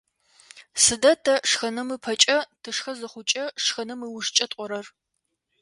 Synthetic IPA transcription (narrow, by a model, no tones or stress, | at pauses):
sɨdɐtʰɐʂxɐnɐmɨpʰɐt͡ʃʼɐtʰɨʂxɐzɨχʷʊt͡ʃʼɐʂxɐnɐmɨwʊʂt͡ʃʼɐtʼʷɔɾɐr